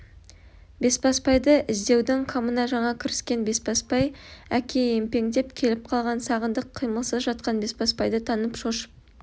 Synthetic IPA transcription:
be̞spɑspʰɑjd̪əʔɪzd̪e̞wd̪ɪŋqʰamənɑʒɑɴɑkʲʰɪɾɪskʲe̞nbe̞spɑspɑjækʲʰe̞empe̞ŋd̪e̞pkʲʰe̞lɪp̚qʰɑlˠʁɑnsɑʁənd̪əqʰːijməlˠsəzʒɑt̪̚qɑnbe̞spɑspɑjd̪ət̪ʰɑnəpʃoʃə̥p̚

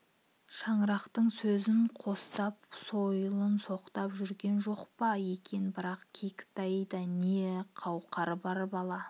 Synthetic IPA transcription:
ʃɑɴɾɑqt̪əɴsɵzɪɴqʰo̞st̪ɑpso̞jlˠənso̞qt̪ɑpʒʏɾɡʲe̞nʒo̞qpɑje̞kʲe̞nbɪɾɑqkʲʰekʲɪ̥t̪ɑjd̪ɑneqʰɑwqɑɾbɑɾbɑlˠɑ

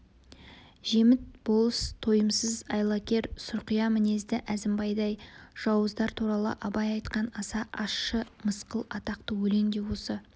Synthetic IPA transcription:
ʒe̞mɪt̪̚bo̞lˠəst̪ʰo̞jəmsəzɑjlˠɑkʲe̞ɾsʊɾqijɑmɪne̞zd̪ɪʔæzɪmbɑjd̪ɑjʒ̥ɑwəzd̪ɑɾt̪ʰuɾɑlˠə̰ʔɑbɑjɑjt̪qɑnɑsɑʔɑsʃəməsqəlˠɑt̪ɑqt̪əwɵle̞ŋd̪e̞wosə

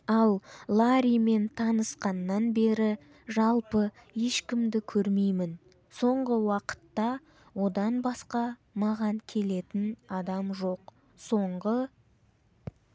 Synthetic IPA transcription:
ɑlˠlˠaɾijme̞nt̪ʰɑnəsqɑnːɑnbe̞ɾɪ | ʒɑlˠpə | je̞ʃkʲɪmd̪ɪkʲʰɵɾmejmɪn | so̞ɴʁəwɑqə̥t̪ːɑ | wo̞d̪ɑnbɑsqɑmɑʁɑŋkʲʰe̞le̞t̪ɪnɑd̪ɑmʒo̞q | so̞ɴʁə

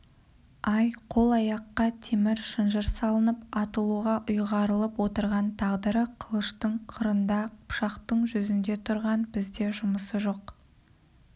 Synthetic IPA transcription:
ɑjqʰo̞lˠɑjɑqːɑt̪ʰemɪɾʃənʒəɾsɑlˠənəpɑt̪əlˠuʁɑʔʊjʁɑɾəlˠəpwo̞t̪əɾʁɑnt̪ʰɑʁd̪əɾəqʰəlˠəʃt̪əɴqʰəɾənd̪ɑqʊpʃɑqt̪əɴʒʏzɪnd̪e̞t̪ʰʊɾʁɑnbɪzd̪e̞ʒʊməsəʒo̞q

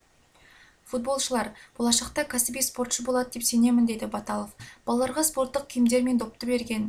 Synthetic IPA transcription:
fut̪̚bo̞lˠʃəlˠɑɾb̥olˠɑʃɑq̚t̪ɑkʲʰæsɪbijspo̞rt̪ʃəbolˠɑd̪əd̪e̞pse̞ne̞mɪnd̪e̞d̪ɪbɑt̪ɑlˠofb̥ɑlˠɑlˠɑɾʁɑspo̞rt̪ːəq̚kʲʰijɪmd̪e̞ɾme̞nd̪o̞p̚t̪əbe̞ɾɡʲe̞n

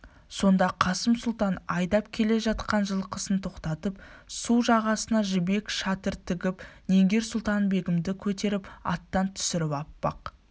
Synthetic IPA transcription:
so̞nd̪ɑqʰɑsəmsʊlˠt̪ɑnɑjd̪ɑp̚kʲʰe̞le̞ʒɑt̪̚qɑnʒəlˠqʰəsənt̪ʰo̞qt̪ɑt̪əpsuwʒɑʁɑsənɑʒɪbe̞kʃɑt̪əɾt̪ʰɪɡʲɪpne̞ŋɡʲe̞ɾsʊlˠt̪ɑnbe̞ɡʲɪmd̪ɪkʲʰɵt̪e̞ɾɪpɑ̰t̪ːɑnt̪ʰʏ̥sɪɾɪpɑpːɑ̰q

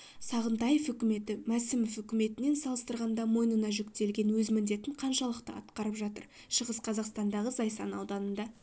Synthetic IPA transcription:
sɑʁənt̪ɑjefʏkʲɪme̞t̪ɪmæsɪmɪfʏkʲɪme̞t̪ɪne̞nsɑlˠəst̪əɾʁɑnd̪ɑmo̞jnənɑʒɵkt̪e̞lɡʲe̞nwɵzmɪnd̪e̞t̪ɪɴqʰɑnʃɑlˠəqt̪əɑ̰t̪qɑɾəpʒɑt̪ə̰ɾ | ʃəʁəsqʰɑzɑqst̪ɑnd̪ɑʁəzɑjsɑ̰nɑwd̪ɑnənd̪ɑ

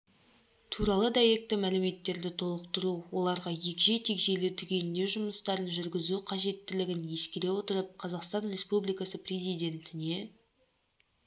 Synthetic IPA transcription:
t̪ʰuɾɑlˠəd̪ɑje̞k̚t̪ɪmælɪme̞t̪ːe̞ɾd̪ɪt̪ʰo̞lˠəqt̪əɾuwo̞lˠɑɾʁɑje̞kʲʒe̞t̪ʰe̞kʒe̞lɪt̪ʰʏɡʲe̞nɪnd̪e̞ʒʊməst̪ɑɾənʒʏɾɡʲɪzuqʰɑʒe̞t̪ːɪlɪɡʲɪnje̞skʲeɾe̞wo̞t̪əɾəp̚qʰɑzɑqst̪ɑnrʲe̞spublijkɑsəprʲe̞zijd̪ʲe̞nt̪ɪne̞

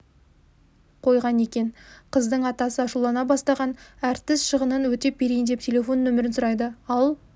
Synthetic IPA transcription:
qʰo̞jʁɑne̞kʲe̞nqʰəzd̪əɴɑt̪ɑsəɑʃulˠɑnɑbɑst̪ɑʁɑnæɾt̪ːɪsʃəʁənənwɵt̪e̞pʰeɾejnd̪e̞p̚tʲʰe̞lʲe̞fo̞nːɵmɪɾɪnsʊɾɑjd̪əɑlˠ

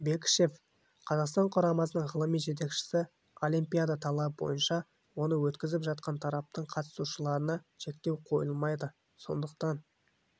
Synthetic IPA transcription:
be̞kʲʃe̞f | qʰɑzɑqst̪ɑɴqʰʊɾɑmɑsənəɴʁəlˠəmijʒet̪̬e̞kʃɪ̥sɪ | o̞lʲijmpʲijad̪ɑt̪ʰɑlˠɑp̚bo̞̰jənʃɑ | wo̞nəwɵt̪kʲɪzɪpʒɑt̪̚qɑnt̪ʰɑɾɑp̚t̪əɴqʰɑt̪ə̥suʃəlˠɑɾənɑʃe̞k̚t̪e̞wqʰo̞jəlˠmɑjd̪ə | so̞̰nd̪əqt̪ɑn

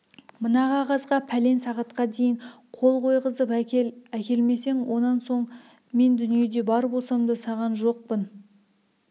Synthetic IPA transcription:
mənɑʁɑʁɑzʁɑpʰæle̞nsɑʁɑt̪qɑd̪e̞jɪɴ | qʰo̞lˠqʰo̞jʁəzəpkʲelækʲe̞lme̞se̞ŋwo̞nɑnso̞ɴ | me̞nd̪ʏnije̞d̪e̞bɑɾbosɑmd̪əsɑʁɑnʒo̞q̚pən

